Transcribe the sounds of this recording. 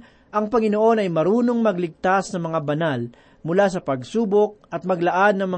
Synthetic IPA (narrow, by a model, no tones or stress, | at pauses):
ʔɐŋpɐŋɪno̞ʔo̞nɐjmɐɾuːno̞ŋmɐɡlɪɡ̚t̪asnɐmɐŋabɐnal | mʊlasɐpɐɡsuːbok̚ʔɐt̪̚mɐɡlɐʔad̪̚nɐŋmɐ